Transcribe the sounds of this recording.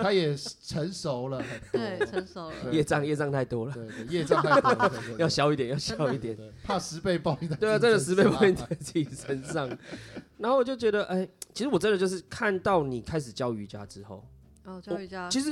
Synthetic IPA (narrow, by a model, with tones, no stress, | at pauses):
a˦˥jɛ˨˩t͡sʰə˨˦nso˨˦ʊlə˨˧˦ | jɛ˥˧t͡sɑ˥˧ŋjɛ˥˧ʈ͡ʂɑ˥˧ŋt̪ʰa˥˩ɪt̪wɔ˦lə˨˥˩jɛ˥˧ɑ˥˧˥jɑ˥˩ʊɕjɑ˥ʊi˥˩t̪jjɑ˥˩ʊɕjɑ˧˦ʊi˥˩t̪jɛ˨˩npʰa˥˩sɻ̩˧˦pe˥˧ɪpɑ˥˧ʊi˧we˥˩ɪ˨ʈ͡ʂə˥nd̪ə˨ʂ̬ɻ̩˧˥pe˥˧ɪpɑ˥˧ʊi˥˧nt͡sa˥˩ɪt͡ɕʰi˨˩ʂʰə˧˦nʂɑ˥˨ŋna˧˦nho˥˩wt͡ɕjo˥˩ʊt͡ɕɥɛ˧˦d̪ə˨ʔe˥˩ɪt͡ɕʰi˧˥sɻ̩˧wɔ˨˩ʈ͡ʂə˦ndə˨t͡ɕjo˥˧ʊʂ̬ɻ̩˥˩kʰa˥˧nt̪ɑ˥˩ʊni˨˩kʰa˦ɪʂɻ̩˨˩t͡ɕjɑ˥˧˩ʊy˧t͡ɕja̰˦ʈ͡ʂɻ̩˦xo˥˩ʊ˨ | t͡ɕʰi˧˥ʂ̬ɻ̩˧˦